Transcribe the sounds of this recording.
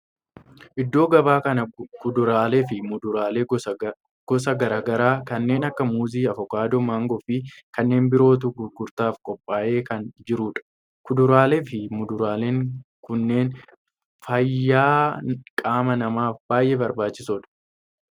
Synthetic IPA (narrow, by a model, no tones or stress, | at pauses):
ʔɪd̪ːo̞ːɡɐbaːkɐnɐkʊd̪ʊɾaːlefɪmʊʊɾaːleː | ɡ̥ɔsɐɡɐɾaːɡɐɾaːkɐnːe̞ːnɐkːɐmuːziːɐfɔkaːd̪oːmaːŋɡɔfɪkɐnːe̞ːnbɪɾo̞ːt̪̬uɡʊɾɡːʊɾt̪aːfkʼɔpʼːaːʔe̞ːkɐnd͡ʒɪɾuːᶑɐ̥ | kʊd̪ʊɾaːleːfɪmʊd̪ʊɾaːleːŋkʊnːe̞ːn | fɐjːaːkʼaːmɐnɐmaːfb̥aːjʔebɐɾbaːt͡ʃːɪsɔᶑɐ̥